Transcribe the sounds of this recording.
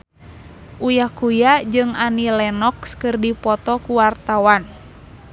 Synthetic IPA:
ʔujahkujad͡ʒɨŋanilɛnɔkskɨrdipɔt̪ɔkuwart̪awan

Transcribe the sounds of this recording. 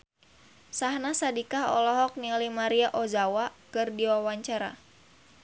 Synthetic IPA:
sahnasadikahɔ̰lɔɦɔk̚nilimaɾiaʔɔzawakɨrdiwawaɲt͡ʃaɾa̰

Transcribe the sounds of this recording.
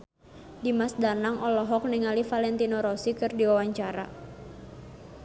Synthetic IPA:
dimasdanaŋʔɔlɔɦɔk̚niŋalifalɛnt̪inɔɾɔsikɨrdiwawaɲt͡ʃaɾa̰

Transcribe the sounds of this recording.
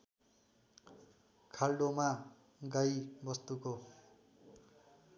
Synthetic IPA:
kʰalɖoma | ɡajbʌst̪uko

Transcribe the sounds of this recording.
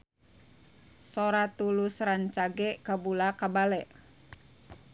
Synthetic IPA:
soɾat̪ulusɾaɲt͡ʃaɡɛkabulakabalɛʔ

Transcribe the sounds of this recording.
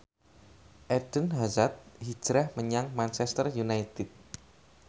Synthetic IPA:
ʔɛd̥ənɦazat̪̚hi̥d͡ʒɾahməɲaŋmant͡ʃɛst̪ərjunajt̪ɪt̪̚

